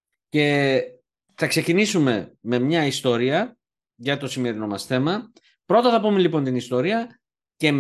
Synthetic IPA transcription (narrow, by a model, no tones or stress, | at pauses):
ce̞ | θɐkse̞cinisume̞me̞mɲɐist̪o̞ɾiɐ | ʝɐt̪o̞sime̞ɾino̞mɐsθe̞mɐ | pɾo̞t̪ɐθɐpumelipo̞nt̪inist̪o̞ɾiɐ | ce̞m